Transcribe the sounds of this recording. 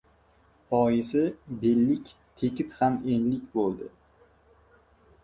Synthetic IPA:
ɒjɪsɪbelːɪkʲ | t̪ʰe̞kʲʰɪzhame̞nlɪkʲbolˠd̪ɪ

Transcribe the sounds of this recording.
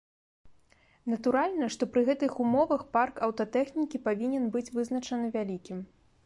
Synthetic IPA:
nɐt̪uɾalʲnɐʂt̪ɔpɾɨɣɛt̪ɨxumɔvɐxparkɐwt̪ɐt̪ɛxnʲikʲipavʲinʲɛnbɨt͡sʲvɨznɐt͡ʂɐnɨvʲalʲikʲim

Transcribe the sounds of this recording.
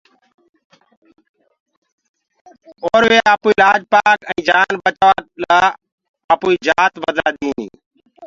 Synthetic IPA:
oːɾʋeːaːpuːiːlaːd͡ʒpaːkɛ̃ːd͡ʒaːnɓət͡ʃaʋaːlaː | əpuːiːd͡ʒaːt̪ʋəd̪a̰ːɗ̪iːnḭː

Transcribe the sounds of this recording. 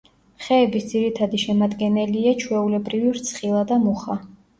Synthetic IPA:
χɛːbisd̪z̥iɾit̪ʰad̪iʃɛmad̪ɡɛnɛliat͡ʃʰwɛulɛbɾiviɾt̪sʰχilˠad̪amuχa

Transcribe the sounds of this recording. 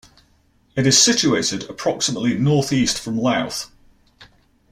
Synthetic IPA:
ɪtɪz̥sɪt͡ʃueɪtɪdəpʰɹ̥ɒksɪməʔlɪnɔˑθiˑstfɹə̃mlaʊθ

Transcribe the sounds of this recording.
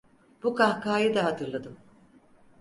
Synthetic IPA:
b̥ukʰahkʰaːjɯd̪aɦat̪ʰɯɾlˠad̪ɯm

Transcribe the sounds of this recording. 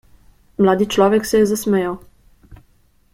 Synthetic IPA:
mlaːd̪it͡ʃlɔːʋɛksɛjɛzasmɛjaw

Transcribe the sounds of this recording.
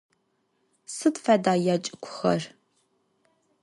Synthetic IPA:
sɨtfadaːjaːt͡ʃʼɪkʷʰʊ̥xɐ̰r

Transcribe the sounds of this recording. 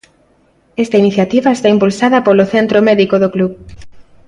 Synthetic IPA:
ɛst̪ainiθjat̪iβɐest̪aimpulsaðɐpoloθent̪ɾomeðikoðokluβ

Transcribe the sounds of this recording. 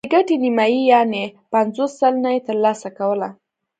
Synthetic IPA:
d̪əɡaʈenimɑjijɑnepanzosːəlnajet̪əɾlɑsakawəla

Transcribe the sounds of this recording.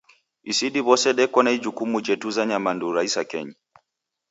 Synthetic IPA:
isiɗiβɔsɛɗɛkɔnaid͡ʒukumud͡ʒɛtuzaɲamanduɾaisakɛ̰ɲi

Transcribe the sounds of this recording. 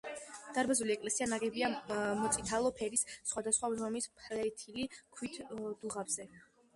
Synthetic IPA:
d̪̥aɾbazuliɛkʼlɛsianaɡɛbiamɔt̪sʼit̪ʰalˠɔpʰɛɾissχwad̪asχwazɔmispʰlɛt̪ʰilikʰwit̪ʰd̪̥uʁabz̥ɛ

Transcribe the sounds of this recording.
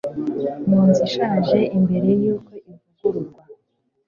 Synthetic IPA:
muːnziʃaːʒe̞ʔimbe̞ɾe̞juːko̞ivuɡuɾuɡɡwa

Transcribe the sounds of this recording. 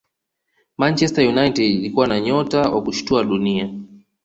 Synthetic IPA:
mant͡ʃɛstajunajtɛdilikuwanaɲɔtawʔa̰kuʃu̥tuaɗunia

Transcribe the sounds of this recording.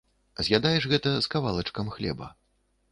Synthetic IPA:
zʲjʲad̪ajɛʂɣɛt̪ɐskavalˠɐt͡ʂkɐmxlʲɛ̰bɐ̰

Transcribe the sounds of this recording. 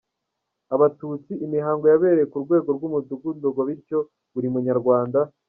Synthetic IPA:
aβatuːt͡siʔːmiɦaːŋɡo̞jaβe̞ːɾejekuɾɡwe̞ːɡo̞ɾɡumuzuɡundoɡoβiɾco̞ | βuɾimuɲaɾɡwaːnda

